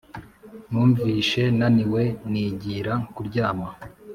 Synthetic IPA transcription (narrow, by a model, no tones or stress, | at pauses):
nuːɱviːʃe̞naniwe̞niːɟiɾakuɾɟaːma